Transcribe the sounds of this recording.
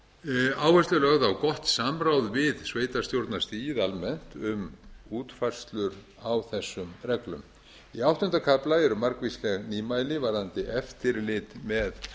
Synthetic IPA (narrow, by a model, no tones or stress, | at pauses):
aːwvɛst̪lʏlœɣðawkɔht̪samɾawðvɪðsveːjt̪ast̪jowɾt̪nast̪iːjɪðalmɛn̥t̪ʏmuːt̪fajr̥st̪lʏɾ | awθɛsːʏmrɛklʏm | iawht̪ʏnt̪akʰaplaɛɾʏmaɾkvislɛɣniːmaːjlɪvaɾðant̪ɪɛft̪ɪɾlɪt̪mɛð